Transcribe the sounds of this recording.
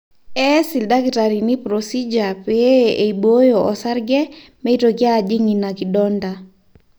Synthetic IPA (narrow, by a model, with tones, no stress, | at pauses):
ɛ˦si˨lda˦ɡitaɾi˨ni˦pɾosi˦d͡ʒa˨pɛ˦e˨ibo˦joɔ˨sa˦ɾɡɛ˦me˦i˦toɡɪ˦ad͡ʒi˦ŋi˨na˨ki˨dɔnda